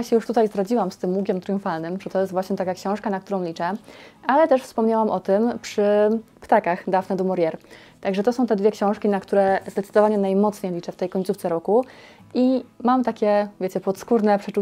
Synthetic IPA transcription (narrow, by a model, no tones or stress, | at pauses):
aɕɛjuʂt̪ut̪ajzd̪ɾad͡ʑiwamst̪ɘmːukʲɛmt̪ɾjũfalnɘmʐɛt̪ɔjɛst̪vwaɕɲɛt̪akakɕɔ̃w̃ʂkanakt̪uɾɔ̃w̃lʲit͡ʂɛʔalɛt̪ɛʂfspɔmɲawamʔɔt̪ɘmpʂɘ | pt̪akaxd̪avnɛd̪ɔmɔɾʲjɛɾ | t̪aɡʐɛt̪ɔsɔ̃w̃t̪ɛd̪vʲɛkɕɔ̃w̃ʂkʲinakt̪uɾɛzd̪ɛt̪sɘd̪ɔvaɲɛnajmɔt̪sɲejlʲit͡ʂɛft̪ɛjkɔɲt̪suft̪sɛɾɔku | ʔimamt̪akʲɛvjet͡ɕɛpɔt̪skuɾnɛpʂɛt͡ʂu